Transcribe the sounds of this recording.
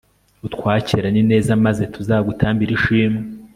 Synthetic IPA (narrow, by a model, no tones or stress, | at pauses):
utkwaːciɾanine̞ːzamaze̞tʰuzaːβɡutʰaːmbiɾiʃiːmi